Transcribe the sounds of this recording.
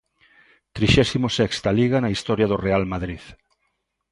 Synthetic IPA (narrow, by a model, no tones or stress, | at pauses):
t̪ɾiʃɛsimosɛkst̪aliɣanaist̪ɔɾjaðʊrealmaðɾið